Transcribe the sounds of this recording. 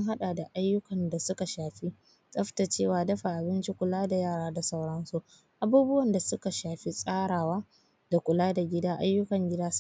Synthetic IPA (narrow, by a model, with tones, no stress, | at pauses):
sɐ˦ŋɦa˦ɗa˨da˨ʔa˦jːʊ˦kɐ˨nda˨sʊ˦ka˨ʃaː˨ɸi˦ | sʼɐ˦ɸta˨t͡ʃeː˦˨waː˨dɐ˦ɸa˨ʔa˨bɪ˦nt͡ʃi˦kʷʊ˨laː˦da˨jaː˦˨ɾaː˦da˨sa˦wɽɐ˦nsu˦ | ʔa˨buː˦bʊ˦wɐ˨nda˨sʊ˦ka˨ʃaː˨ɸi˦sʼaː˦ɽaː˨waː˦ | d̥a˨kʷʊ˨laː˦da˨ɡʲɪ˦daː˦ʔa˦jːʊ˦kɐ˨ŋɡʲɪ˦daː˦